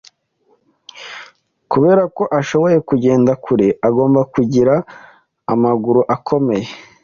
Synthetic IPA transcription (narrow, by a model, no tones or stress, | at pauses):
kuβeːɾako̞ʔaʃo̞βo̞je̞kuɟe̞ːndakʰuɾiʔaɡo̞ːmbakuɟiɾaː | maɡuɾuʔakʰo̞me̞je